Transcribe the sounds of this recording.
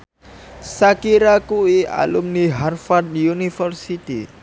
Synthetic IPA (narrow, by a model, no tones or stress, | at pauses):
sakiɾakuia̰lumniɦarfad̚junifərsit̪i